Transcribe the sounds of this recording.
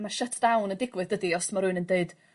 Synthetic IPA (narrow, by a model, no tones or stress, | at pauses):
maʃətʰd̥awnəndɪɡwɨðdədiɔsmaɾʊɨnəndeɨd̥